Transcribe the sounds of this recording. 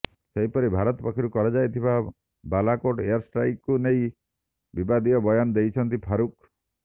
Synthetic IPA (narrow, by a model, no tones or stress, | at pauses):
seɦipɔɾibʱaɾɔt̪ɔpakʰiɾukɔɾɔd͡ʒajt̪ʰiba | balakoʈeɔɾsʈɾajkkunej | bibad̪iɔbɔjɔnɔd̪ejt͡ʃʰɔnt̪ipʰaɾuk